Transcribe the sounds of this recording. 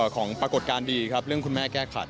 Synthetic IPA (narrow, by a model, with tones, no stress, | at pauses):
kʰɔː˩˦ŋpɾa˧ko˨˩t̪̚kaː˧ndiː˧kʰɾa˦˥p̚ɾɯ˥˩əŋkʰu˧nmɛː˥˩kɛː˥˩kʰa̰˨˩t̪̚